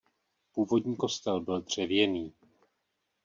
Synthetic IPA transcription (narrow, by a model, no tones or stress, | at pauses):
puːvo̞dɲiːko̞st̪ɛlbɪld̪r̝̥ɛvjɛniː